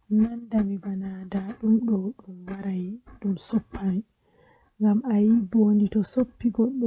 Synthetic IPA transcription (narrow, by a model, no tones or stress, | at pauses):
nandamibanadaɗumɗɔɗumwaɾajɗumsopʰːani | ŋɡamajibonditɔsopːiɡɔɗːɔ